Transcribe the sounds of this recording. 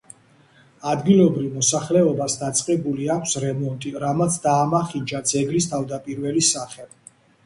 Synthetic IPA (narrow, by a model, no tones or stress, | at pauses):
ad̪ɡilˠɔbɾivmɔsaχlɛɔbasd̪at̪sʼqʼɛbuliakʷʰsɾɛmɔnt̪ʼiɾamat̪sʰd̪aːmaχid͡ʒad̪zɛɡɾist̪ʰavd̪apʼiɾvɛlisaχɛ